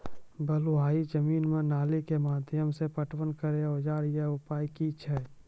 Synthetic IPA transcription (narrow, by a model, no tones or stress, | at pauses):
bəluɦaːid͡ʒəmiːnmẽnaːlikemaːd̪ʱjəmsepəʈwənkəɾeoːd͡ʒaːɾjeʊpaːikit͡ʃʰɛː